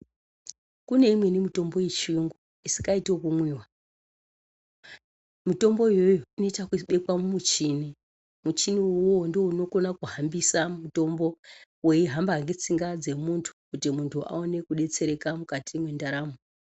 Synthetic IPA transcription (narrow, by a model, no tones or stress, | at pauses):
kune̞imwe̞nimito̞mbo̞jet͡ʃiŋɡu | isi̥kaitekumwiːwa | mito̞mbo̞jo̞joino̞itakiɓe̞kwamumut͡ʃini | mut͡ʃiniuwo̞ndiouno̞ko̞nakuɦambisamuto̞mbo̞we̞iɦambaŋɡet͡siŋɡad͡ze̞muntʰu̥kutimuntʰua̰o̞ne̞kuɗe̞t͡se̞ɾe̞kamukatʰimwe̞ndaɾaːmo